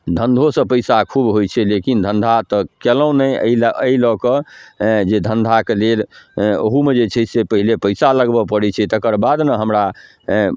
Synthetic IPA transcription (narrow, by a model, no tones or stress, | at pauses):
d̪ʱənd̪ʱosə̃pəjsakʰubɦojt͡ʃʰɛlekind̪ʱənd̪ʱat̪ɔkeləũnɛə̰iləilɔkɔ | d͡ʒed̪ʱənd̪ʱakelelo̰ɦumed͡ʒet͡ʃʰɛsepəɦilepəjsaləɡbɔpəɽɛt͡ʃʰɛt̪əkəɾbad̪nəɦəmɾa